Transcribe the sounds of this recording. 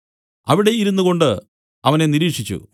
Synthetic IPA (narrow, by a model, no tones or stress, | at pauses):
ɐʋiɽe̞iɾunːuɣo̞ɳɖɨ | ɐʋɐne̞niɾiːkʂit͡ɕːṵ